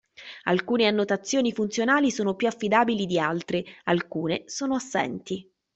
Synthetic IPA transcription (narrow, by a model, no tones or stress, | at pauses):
a̰lkuːneanːot̪at̪sːjoːnifunt̪sjonaːlisoːnopjuafːid̪aːbilid̪ialt̪ɾealkuːnesoːnoasːɛ̰nt̪i